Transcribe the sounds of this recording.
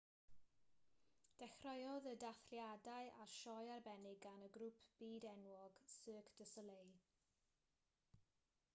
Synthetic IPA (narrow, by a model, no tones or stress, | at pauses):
d̥ɛxrɔjɔðədaθljadaɨʔaʃɔjarbɛnɪɡanəɡɾupʰb̥iːdɛnwɔɡ̥səːkʰd̥əsəlej